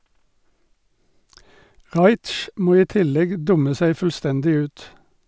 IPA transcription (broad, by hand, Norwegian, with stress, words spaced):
ˈʁɑɪt͡ʃ ˈmoː ˈiː ˈtɪlɛɡ ˈdʊmə ˈsæɪ fl̩ˈstɛndɪ ˈʉːt